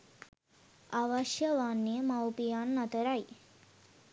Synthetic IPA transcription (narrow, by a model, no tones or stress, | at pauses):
aʋɐʃjəʋaːnːiəmawpijanːɐt̪əɾaj